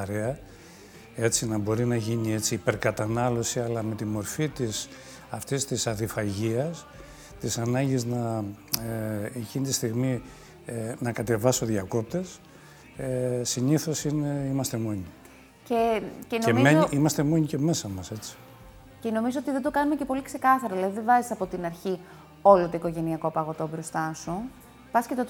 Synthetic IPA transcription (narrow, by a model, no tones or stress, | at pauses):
ɐɾe̞ɐ | e̞t͡sinɐbo̞ɾinɐʝiɲie̞t͡siːpe̞ɾkɐt̪ɐnɐlo̞siɐlɐme̞t̪imo̞ɾfit̪is | ɐft̪ist̪isɐðifɐʝiɐs | t̪isɐnɐɲɟiznɐ | ecinit̪ist̪iɣmi | nɐkɐt̪e̞vɐso̞ðjɐko̞p̚t̪e̞s | esiniθo̞sineimɐst̪emo̞ɲi | cecenoemeimɐst̪e̞mo̞ɲiceme̞sɐmɐse̞t͡si̥ | ce̞no̞mizoot̪iðend̪o̞kɐnumece̞po̞likse̞kɐθɐɾoelɐðiðevɐzisɐpo̞t̪inɐɾçi | o̞lot̪o̞iko̞ʝe̞niɐko̞pɐɣo̞t̪o̞bɾo̞st̪ɐsu | pɐscet̪e